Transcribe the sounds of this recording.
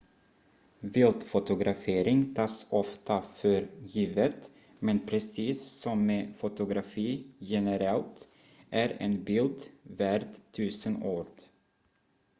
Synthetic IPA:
vɪlt̪fʊt̪ʊɡɾɑfeːɾɪŋt̪ʰɑːsɔft̪ʰafœɾjiːvət̪ | mɛnpʰɾɛsiːsːɔmːeːfʊt̪ʊɡɾafiːjɛnəɾɛlt̪ | ʔæɾḛːnbɪld̪væɾd̪t̪ʰʉːsənoːɾd

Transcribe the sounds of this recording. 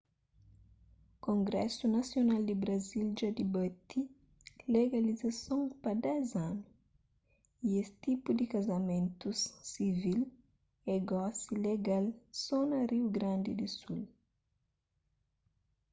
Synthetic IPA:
kõŋɡɾɛsunasjonald̪ibɾazild͡ʒad̪ibət̪i | leɡalizasõŋpad̪ɛzanu | iest̪ipud̪ikazɐmẽnt̪usːivil | eɡɔsileɡalsonɐɾiwɡɾãnd̪id̪isul

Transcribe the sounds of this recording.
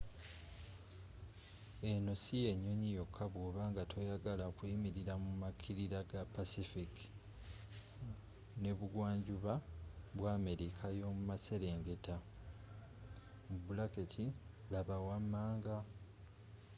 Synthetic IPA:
e̞no̞sije̞ɲːo̞ɲijo̞kʰːaβoːβaːŋɡatʰo̞jaɡalaokuimiɾiɾamumakʰiɾiɾaɡapasifik | ne̞βuɡwaːɲɟuβaβwaːme̞ɾikʰajo̞mumase̞ɾe̞ːŋɡe̞ta | mubulaketʰilaβawamːaːŋɡa

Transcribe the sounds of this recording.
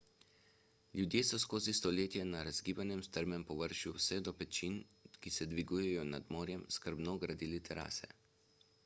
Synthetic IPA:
ljud̪jeːsɔskoːzist̪ɔleːt̪jɛnaɾazɡiːbanjɛmst̪əɾmɛmpɔʋəɾʃjuwsɛd̪ɔpɛt͡ʃinkisɛd̪ʋiɡujɛjɔna̰d̪moːɾjɛmskəɾbnɔɡɾad̪iːlit̪ʰɛɾa̰ːsɛ̰

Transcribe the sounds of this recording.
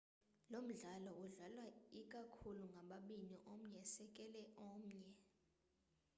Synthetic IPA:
lom̩ɮalɔuɮalwaikʼakʰuluŋɡʱaɓaɓiniʔom̩ɲɛsɛkʼɛlɛʔɔːm̩ɲɛ

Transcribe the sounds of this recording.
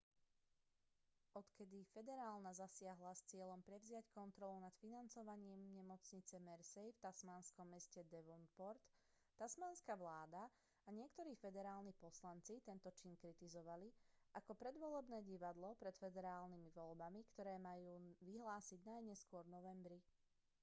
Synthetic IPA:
ɔt̪kɛd̪ifɛd̪ɛɾaːlˠnazasɪaɦlast͡sɪɛʎɔmpɾɛʋzɪackɔnt̪ɾɔlunat̪finant͡sɔʋaɲɪiːmɲɛmɔt͡sɲit͡sɛmɛɾsɛjft̪asmaːnskɔmːɛscɛd̪ɛʋɔnpɔɾt̪ː | asmaːnskaʋlaːd̪a | aɲɪɛkt̪ɔɾiːfɛd̪ɛɾaːlnipɔslant͡sit̪ɛnt̪ɔt͡ʃinkɾit̪izɔʋali | ʔakɔpɾɛd̪ʋɔlɛbnɛːɟiʋad̪lɔpɾɛt̪fɛd̪ɛɾaːlnimiʋɔlbamikt̪ɔɾɛːmajuːʋiɦlaːsiɟnajɲɛskʊɔɾnɔʋɛmbɾi

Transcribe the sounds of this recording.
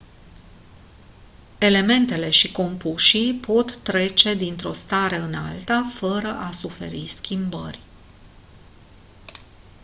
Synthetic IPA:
e̞le̞me̞nt̪e̞le̞ʃiko̞mpuʃipo̞t̪ːɾe̞t͡ʃe̞d̪int̪ɾo̞st̪aɾeɨna̰lt̪afəɾəʔasufe̞̰ɾiskʲimbə̰rʲ

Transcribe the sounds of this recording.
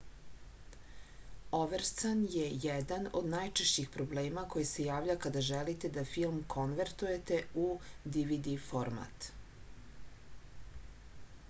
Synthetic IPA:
oʋeɾsanjejɛd̪ano̞̰d̪najt͡ʃeʃt͡ɕixpɾobleːmako̞jise̞jaːʋʎʲakad̪aʒɛlit̪e̞d̪afilˠmkʰo̞nʋeɾt̪uje̞t̪eud̪iʋid̪ifo̞ɾma̰t̪

